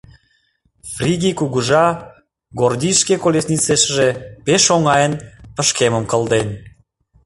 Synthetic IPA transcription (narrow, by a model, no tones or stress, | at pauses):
frʲiɣikuɣəʒɑ | ɣord̪ʲiʃkekolʲesnʲit͡seʃəʒepeʃoŋɑjənpə̆ʃkemə̆mkə̆ld̪en